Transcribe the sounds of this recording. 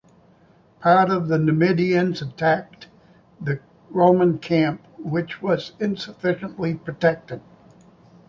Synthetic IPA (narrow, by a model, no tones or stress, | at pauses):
pʰɑɹɾʌvðɨnɨmɪɾiɨ̃nzɨtʰæk̚ | ðɨ | ɹõʊ̃mə̃nkʰæ̃mp̚wɨt͡ʃwʌzɪ̃nsəfɪʃə̃nʔlipʰɹ̥ɨtʰɛk̚tɨd̥̚